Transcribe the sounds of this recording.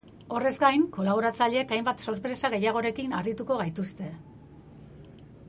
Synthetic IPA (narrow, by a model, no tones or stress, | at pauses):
o̞re̞zɡajŋko̞laβ̞o̞ɾat͡saʎe̞ːkajmbat̪so̞ɾpɾe̞saɣ̞e̞jaɣ̞o̞ɾe̞kinarit̪uko̞ɣajt̪ust̪e̞